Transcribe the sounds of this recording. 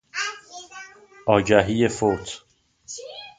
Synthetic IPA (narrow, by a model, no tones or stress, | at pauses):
ʔɒːɟæɦijefot̪ʰ